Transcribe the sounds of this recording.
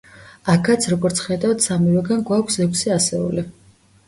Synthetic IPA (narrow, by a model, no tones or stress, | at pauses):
akʰat̪sʰɾɔɡɔɾt̪sʰχɛd̪avt̪samivɛɡanɡwakʷʰsɛkʷʰsiasɛṵli